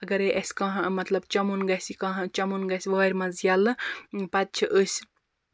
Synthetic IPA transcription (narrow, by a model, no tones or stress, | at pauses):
ɐɡɐɾeʔɐsʲkɐɦɐmɐt̪lɐbt͡ʃɐmunɡɐsʲikɐ̃ɦɐ̃t͡ʃɐmunɡɐsʲʋɐɐɾʲmɐzjɐlɨpɐt̪̚t͡ʃʰiʔəsʲ